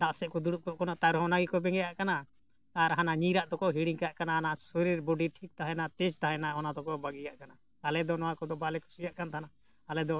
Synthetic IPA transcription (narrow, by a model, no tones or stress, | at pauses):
d̪aʔsɛkɔd̪uɽuʔkɔʔkɔnat̪aɾɦɔnaɡikɔbɛŋɡɛjaʔkana | aɾɦanaɲiɾaʔd̪ɔkɔɦiɽiŋkaʔkanaɦanasɔɾiɾboɖiʈʰik̚t̪aɦɛnat̪ɛd͡ʒt̪aɦɛnaɔnad̪ɔkɔbaɡijaʔkana | alɛd̪ɔnɔwakɔd̪ɔbalɛkʰu̥sijaʔkant̪ʰanaː | lɛd̪ɔ